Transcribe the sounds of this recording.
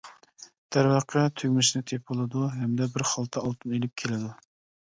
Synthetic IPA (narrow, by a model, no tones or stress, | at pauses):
d̪̥æɾwɑqʰːɛt̪ʰyɡʲmɪʃnɨt̪ʰepolˠɨd̪uɦɛmd̪ɛbɪɾχɑlˠt̪ʰɑɑlˠt̪ʰɨmelɪp̚kʲʰelɪd̪u